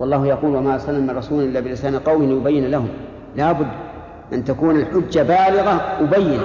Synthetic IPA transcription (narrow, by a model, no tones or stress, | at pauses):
wɑlˤːɑːhjɑquːlwamaʔsˤɑnːamːɪnrˤɑsuːlnʔɪlːaːbɪlɪsaːnqɑwmɪhlɪjʊbajːɪnalahʊm | laːbʊd̪ː | ʔant̪akuːnalħɪd͡ʒːabaːlɪɣawʊbajːɪna